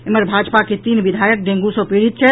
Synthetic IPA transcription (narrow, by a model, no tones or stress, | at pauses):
eməɾbʱad͡ʒpaket̪iːnʋid̪ʱajək̚ɖẽŋɡusə̃peɾit̪̚t͡ʃʰɛ